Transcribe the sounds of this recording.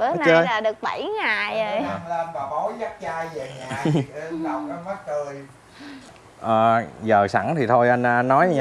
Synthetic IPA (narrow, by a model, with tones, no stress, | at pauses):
ɓə˧˦na˧ə˧laː˨˩ɗɨ˨˩ək̚ɓə˧˩jŋaː˨˩jmː˧nvaː˨˩ɓɔ˨˦wzə˦˥t̚t͡ɕaː˧jve˨˩ŋaː˨˩˧ɗa˨˩wka˧˦ma˦˥t̚t̪ɨ˧˩əj | ʔəː˨˩zəː˨˩sa̰˧˩ŋt̪ʰi˨˩t̪ʰo˧jʔa˧jn̟ː˧nːɔ˨˦jɲ˧